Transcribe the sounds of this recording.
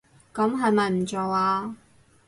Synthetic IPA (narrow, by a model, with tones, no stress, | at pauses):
kɐ˨˥mɦɐ˨˧jmɐ˨˧jm̩˨˩t͡so˨waː˧